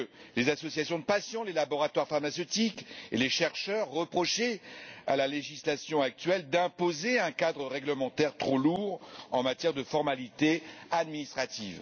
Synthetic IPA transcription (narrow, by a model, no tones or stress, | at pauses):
lezasɔsjasjɔ̃d̪əpasjɔ̃lelabɔʁat̪waʁfaʁmasət̪ikḛleʃɛʁʃœʁːəpχɔʃea̰laleʒislasjɔ̃ak̚t̪ɥɛld̪ɛ̃pozeɛ̃kad̪ʁəʁɛɡləmɑ̃t̪ɛʁt̪χoluʁɑ̃mat̪jɛʁd̪əfɔʁmalit̪ead̪minist̪χat̪iv